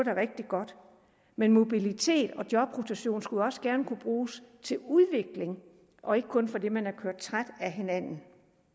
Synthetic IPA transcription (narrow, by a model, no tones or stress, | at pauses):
ɾ̥ɑʁeɡ̥̚d̥iɡ̥ɒ̽d̥ | menmo̝b̥ilit͡sʰe̝̰ːd̥ɒ̽d̥jɒ̽b̥ʁot͡sʰæɕo̝̰ːnsɡ̥ulɒ̽səɡ̥æɐnəkʰub̥ʁuːst͡sʰe̝luðˠʋe̝ɡ̥le̝ŋ | ʔɒ̽e̝ɡ̥əkʰɔ̽nfɒ̽d̥e̝mænæɐkʰøɐ̰d̥̚t͡sʰʁad̥æɦe̝næn̰n̩